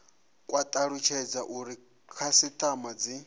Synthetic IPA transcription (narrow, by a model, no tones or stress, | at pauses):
kʼwat̪ʼaɺut͡ʃʰɛd͡zaʔuɾi | kʰasit̪ʼamad͡zi